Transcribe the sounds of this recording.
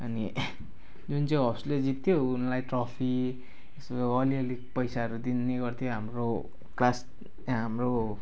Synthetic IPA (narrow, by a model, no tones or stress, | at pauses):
ʌni | d͡zunt͡sʌ̃ĩʌsled͡zit̪ʰːjounlajʈrʌpʰi | esʌliʌlipʌjsaɦʌɾud̪inːeɡʌrt̪ʰjoɦamro | klas | ɦamro